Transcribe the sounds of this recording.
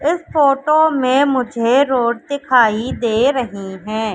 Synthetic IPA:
ɪsfoːʈomẽmʊd͡ʒʱeɾoːɖd̪ɪkʰaːid̪eːɾɐɦiɦɛ̃ː

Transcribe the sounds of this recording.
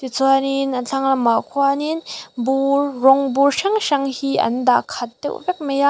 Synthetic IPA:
t̪it͡sʰuaninɐnt͡ɬʰaŋlɐmakʰwaninburːɔŋburʃaŋʃɐŋhiʔɐ̰nd̪akʰɐt̪̚ːɛ̰wvɛk̚mɛja

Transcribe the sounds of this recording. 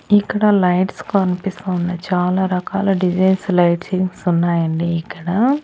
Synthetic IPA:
ikːɐɽɐlɐjʈskɐnipist̪aːunːɐt͡ʃaːlaːɾɐkaːlɐːɖid͡ʒɐjnslɐjʈsiŋɡsunːaːjɐɳɖiːkːɐɽɐ

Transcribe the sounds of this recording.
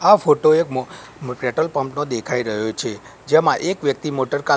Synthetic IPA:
afoʈoekm | pɾeʈəlpəmpnod̪ekʰaiɾəɦjot͡ʃʰe | d͡ʒemãʔekʋjək̚t̪imoʈəɾka

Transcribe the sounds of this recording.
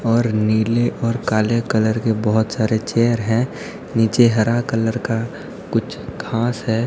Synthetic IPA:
ɔːɾniːleʔɔːɾkaːlekələɾkebɔɦʊt̪saːɾet͡ʃeːəɾɦɛ̃ | niːt͡ʃeɦəɾakələɾka | kʊt͡ʃʰkʰãːsɦɛː

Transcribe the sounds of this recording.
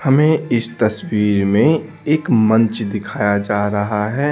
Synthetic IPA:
hɐmẽɪst̪ɐswiːɾmẽ | eːkmɐ̃nt͡ʃd̪ɪkʰaːjad͡ʒaːɾɐɦaɦɛː

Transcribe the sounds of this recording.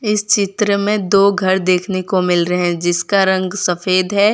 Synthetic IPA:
ɪst͡ʃɪt̪ɾəmẽd̪oːɡʱɐɾd̪eːkʰnekomɪlɾɐɦɛ̃d͡ʒɪskaɾɐ̃ŋɡsɐfeːd̪ɦɛː

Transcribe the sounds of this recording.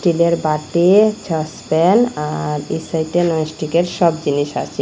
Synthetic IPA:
ʈileɾbaʈed͡ʑɔspɛnaɾisajʈenɔsʈikeɾʃɔbd͡ʑiniʃa̰t͡ɕʰe

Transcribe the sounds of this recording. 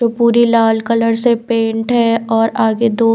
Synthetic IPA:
oːpuːɾilaːlkələɾsepẽːɳʈɦɛːɔːɾaːɡed̪oː

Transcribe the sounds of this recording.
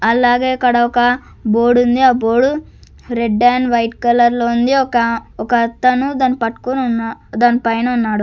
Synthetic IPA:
ɐlaːɡeːɐkːɐɽɐɔkɐ | boːɽund̪iaːboːɽu | ɾeɖːaːnʋɐjʈkɐlɐɾloːund̪iɔkɐɔkɐɐt̪ːɐnud̪aːnipɐʈːu̥konnd̪aːnipɐjnɐunːaːɽu

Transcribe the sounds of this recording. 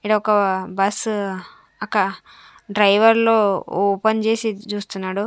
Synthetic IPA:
iɽɐɔkɐbɐs | ɐkɐ | ɖɾɐjʋɐɾlo̞ːoːpɐnt͡ʃe̞ːsit͡ʃuːst̪unːaːɽu

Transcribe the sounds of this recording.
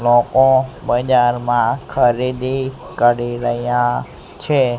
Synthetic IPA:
lokobəd͡ʒaɾmãkʰəɾid̪i | kəɾiɾəɦjã | t͡ʃʰe

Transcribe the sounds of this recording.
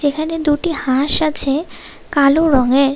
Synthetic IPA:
d͡ʑekʰaned̪uʈihãʃat͡ɕʰe | kaloɾɔŋeɾ

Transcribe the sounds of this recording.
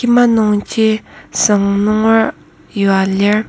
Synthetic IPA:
imanoŋt͡ɕisaŋnoŋwar | jowaler

